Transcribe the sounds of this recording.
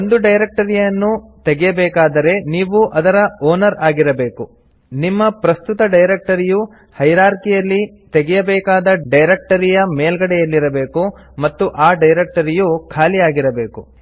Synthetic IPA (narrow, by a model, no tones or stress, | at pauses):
ond̪uɖɐjɾek̚ʈɐɾijɐnːut̪eɡɛjɐbɛːkaːd̪ɐɾe̞niːʋuʔɐd̪ɐɾɐoːnɐɾaːɡiɾɐbe̞ːku | nimːɐpɾɐst̪ut̪ɐɖɐjɾek̚ʈɐɾiju | hɐjɾaːɾkijɐlːi | t̪e̞ɡɛjɐbɛːkaːd̪ɐɖɐjɾek̚ʈɐɾijɐmeːlɡɐɽɛjɐlːiɾɐbe̞ːku | mɐt̪ːuʔaːɖɐjɾek̚ʈɐɾijukʰaːlijaːɡiɾɐbe̞ːku